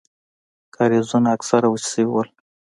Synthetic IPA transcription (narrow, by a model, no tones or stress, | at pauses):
kaɾezunaaksaɾawut͡ʃsəwiwəl